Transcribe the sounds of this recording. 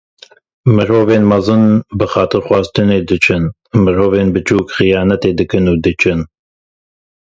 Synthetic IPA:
mɨɾoːveːnmɑzɨnbɨxɑːt̪ɨɾxʷwɑːzt̪ʰɨneːd̪ɨt͡ʃʰɨn | mɨɾoːveːnbɨt͡ʃʰuːkxɨjɑːnɛt̪eːd̪ɨkɨnuːd̪ɨt͡ʃʰɨn

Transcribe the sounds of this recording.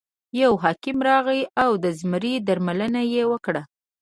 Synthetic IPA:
jawɦɑkɪmɾɑɣiawd̪əzməɾid̪aɾmalənajewəkɽa

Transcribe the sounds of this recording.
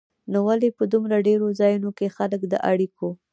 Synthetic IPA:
nowalepəd̪umɾaɖeɾozɑjunokexaləkd̪əʔaɽiko

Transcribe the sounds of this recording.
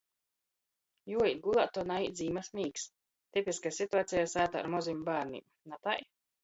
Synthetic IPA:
juɔit̪̚ɡulˠat̪ːɔːnaid̪zʲiːmasmiːks | t̪ipʲiskasit̪uaːt̪sijasaːt̪a̰ːɾmɔzʲimʲbaːɾnḭ | nat̪aj

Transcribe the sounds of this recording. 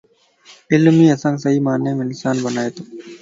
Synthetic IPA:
elːumiɐsaŋɡsɐimaːnːeːminisaːnbɐnaːjɐt̪u

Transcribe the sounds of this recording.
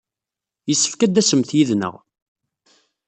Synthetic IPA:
jəsːə̥fkæd̪æsəmθjiðnə̰ʁ

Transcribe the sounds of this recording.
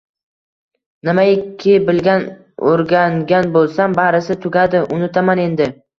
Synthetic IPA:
nɪmaɪkʲʰːɪbɪlɡʲan | oɾɡʲaŋɡʲanbolˠsambaɾɪsɪt̪ʰʊɡʲad̪ɪʔʊnɪt̪ʰamane̞nd̪ɪ

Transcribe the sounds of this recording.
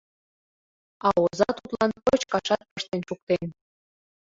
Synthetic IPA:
ɑozɑt̪ut̪lɑnpot͡ɕkɑʃɑt̪̚pəʃt̪enʃuk̚t̪en

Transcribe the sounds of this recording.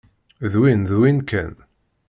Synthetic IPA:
ðwinðwinkə̰n

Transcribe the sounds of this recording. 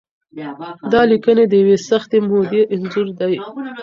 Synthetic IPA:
d̪ɑlikəned̪əjawesaxt̪emod̪eʔɪnzuɾd̪aj

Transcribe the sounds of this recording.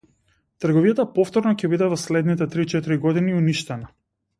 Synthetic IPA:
t̪əɾɡɔvijat̪apɔft̪ɔɾnɔcɛbid̪ɛvɔslɛd̪nit̪ɛt̪ɾit͡ʃɛt̪iɾiɡɔd̪iniuniʃt̪ɛna

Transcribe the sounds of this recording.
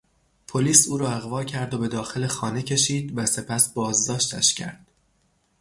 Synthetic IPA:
pʰo̞liːsuːɾɒːæɣvɒːcʰæɾd̪o̞be̞d̪ɒːxe̞le̞xɒːne̞cʰe̞ʃiːd̪væse̞pʰæsbɒːzd̪ɒːʃt̪æ̰ʃcʰæ̰ɾd̪̥

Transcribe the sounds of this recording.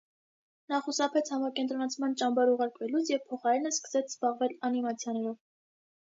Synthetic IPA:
nɑχusɑpʰɛt͡sʰhɑmɑɾkɛnt̪ɾɔnɑt͡sʰmɑnt͡ʃɑmbɑɾuʁɑɾkvɛlut͡sʰjɛvpʰɔχɑɾɛnəskə̥sɛt͡sʰz̥bɑʁvɛlɑnimɑt͡sʰjɑnɛɾɔv

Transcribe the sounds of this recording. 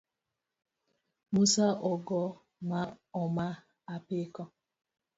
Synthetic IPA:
musaʔɔɡɔ | maɔma | apɪkɔ

